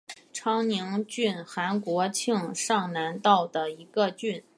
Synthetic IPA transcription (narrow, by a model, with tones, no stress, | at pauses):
ʈ͡ʂʰɑ˥ŋni˧˥ŋt͡ɕy˥˩nxa˧˥nkwɔ˧˥t͡ɕʰi˥˧ŋʂɑ˥˩ŋna˧˥nt̪ɑ˥˩ʊd̪ə˩i˧˥ɡə˧t͡ɕy˥˩n